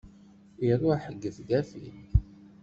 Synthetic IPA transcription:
iɾˤʊħəɡːəθɡæfḭn

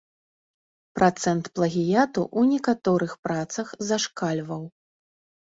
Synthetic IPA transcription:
pɾʔat̪sɛnt̪plˠɐɣʲijat̪ṵʔunʲɛkat̪ɔɾɨxpɾat̪sɐxzaʂkalʲvɐw

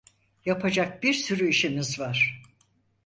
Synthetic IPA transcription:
japʰad͡ʒak̚biɾsyɾyiʃimizvaɾ̥

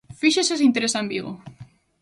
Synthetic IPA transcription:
fiʃeses̬int̪eɾesambiɣo̰

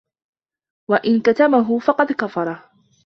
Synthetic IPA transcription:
waʔɪnkat̪abaɦʊfɑqɑd̪kafɑɾˤɑ

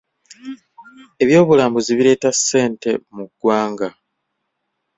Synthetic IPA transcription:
e̞βjo̞ːβulaːmboziβiɾe̞ːtasːe̞ːnte̞muɡ̥ːwaːŋɡa

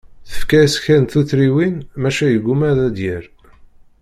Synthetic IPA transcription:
θə̥fkæsçænθuθɾiwinmæʃæjəɡːumæðæd̪jəɾ

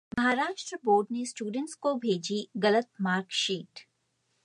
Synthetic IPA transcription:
mɐɦaːɾaːʃʈɾəboːɾɖnesʈjuːɖə̃ɳʈskobʱeːd͡ʒiɡɐlət̪̚maːɾkʃiːʈ

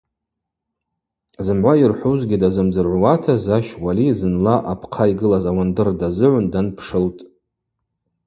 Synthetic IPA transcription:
zɨmʕʷairħʷuzɡʲɪdazɨmd͡zɨrʕʷwatʰazaʃwalizɨnlaʔapʰqʰaiɡɨlazawandɨrdazɨʕʷʊndanpʰʂɨltʼ

